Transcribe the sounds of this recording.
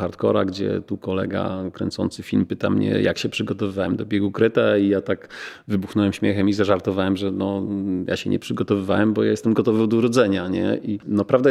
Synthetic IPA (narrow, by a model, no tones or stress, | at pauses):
aɾt̪kɔ̰ɾaɡd͡ʑɛ̰t̪ukɔlɛ̰ɡa̰kɾɛnt̪sɔ̰nt̪sɘfʲilmpɘt̪amɲɛ̰ja̰kɕɛpʂɘɡɔt̪ɔvɘvawɛmd̪ɔbʲjɛɡukɾɛt̪aijat̪akvɘbuxnɔwɛmɕmʲjɛxɛmizaʐaɾt̪ɔvawɛmʐɛnɔja̰ɕɛɲʔɛ̰pʂɘɡɔt̪ɔvɘvawɛmbɔjajɛst̪ɛmɡɔt̪ɔvɔwd̪ɔuɾɔd̪zɛɲaɲɛ̰ʔinɔpɾavd̪a